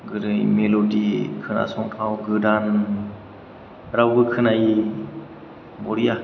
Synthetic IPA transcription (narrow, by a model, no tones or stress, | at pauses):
ɡɯɾɯmelodikʰɯna̰sɔŋtʰawɡɯdan | ɾawɡɯkʰɯnaji | bɔɾija